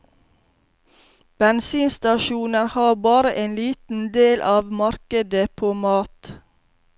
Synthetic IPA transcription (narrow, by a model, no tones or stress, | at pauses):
b̥ɛnsiːnst̪ɑʃuːnəɾhɑːbɑːɾəʔeːnliːt̪n̩d̪eːlʔɑːʋmɑɾkəd̪əpʰoːmɑːt̪